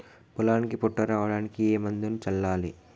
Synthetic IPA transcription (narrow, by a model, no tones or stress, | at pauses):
pulaːnikipɔʈːɐɾaːʋɐɽaːnikieːmɐnd̪unut͡ʃɐlːaːlḭ